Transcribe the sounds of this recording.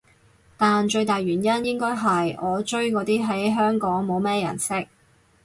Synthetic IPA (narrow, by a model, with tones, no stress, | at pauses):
t̪aː˨nt͡ʃɵ˧ɥt̪aː˨jɥyː˨˩njɐ˥njɪ˥ŋkɔː˥jɦɐ˨jʔɔː˨˧t͡ʃɵ˥ɥkɔː˨˧t̪iː˥ɦɐ˨˥jɦœː˥ŋkɔː˨˥ŋmo˨˧wmɛː˥jɐ̰˨˩nsɪ˥k̚